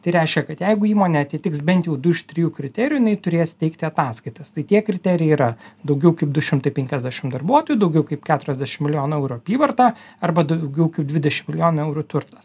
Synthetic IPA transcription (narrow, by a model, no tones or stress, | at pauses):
t̪ɐɪɾʲɛɪʃʲkʲɛkɐt̪jɛɪɡʊiːmoːnʲɛɐt̪ʲɪt̪ʲɪksbʲɛnʲt̪jɛʊd̪ʊɪʃt̪ʲɾʲɪjuːkɾʲɪt̪ʲɛːɾʲɪjʊɪnɐɪt̪ʊɾʲeːst̪ʲɛɪkt̪ʲɪɐt̪ɑːskɐɪt̪ɐst̪ɐɪt̪ʲiɛkɾʲɪt̪ʲæːɾʲɪjɛɪiɾɐd̪ɐʊɡʲɛʊkɐɪp̚d̪ʊʃʲɪmt̪ɐɪpʲɛŋʲkʲɛzʲd̪ʲæːʃʲɪmd̪ɐrbuɔt̪oːjuːd̪ɐʊɡʲɛʊkɐɪpkʲæːt̪ʊɾʲɛzʲd̪ʲæːʃʲɪmʲɪlʲɪjoːnʊɛʊɾʊɐpʲiːʋɐrt̪ɑːɐɾbɐd̪ɐʊɡʲɛʊkɐɪp̚d̪ʲʋʲɪd̪ʲɛʃʲɪmʲɪlʲɪjoːnɐɛʊɾʊt̪ʊrt̪ɐs